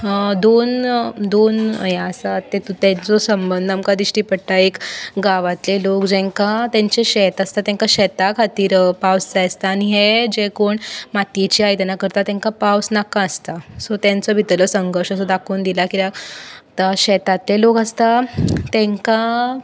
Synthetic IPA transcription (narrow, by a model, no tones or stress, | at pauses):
d̪ond̪onjaəsat̪ːet̪ut̪ɛ̃nt͡sɔsəmbənd̪ʱamkad̪iɕʈiːpəɽʈ̪aekɡaʋat̪lelokd͡ʑɛ̃ŋkat̪ɛ̃ɲt͡ɕeɕɛt̪ast̪at̪ɛ̃ŋkaɕɛt̪akʰat̪iːɾpawst͡sajest̪aːɽiɦed͡ʑekoɳmat̪it͡ɕiajt̪anakəɾt̪at̪ɛ̃ŋkapawsnakãəst̪asɔt̪jãnt͡sɔbʱit̪ləsəŋɡəɾʂəsɔd̪akʰoːnd̪ilakit̪at̪aɕɛt̪at̪ːelokəst̪at̪ɛ̃ŋka